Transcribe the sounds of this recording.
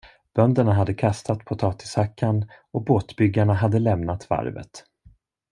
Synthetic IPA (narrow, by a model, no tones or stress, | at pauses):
b̥œnd̪əɳaɦad̪ːəkʰast̪ʰat̪pʰʊt̪ʰɑːt̪ɪ̥shakʰːan | ɔboːt̪bʏɡːaɳaɦad̪ːəlɛmnat̪va̰ɾvə̰t̪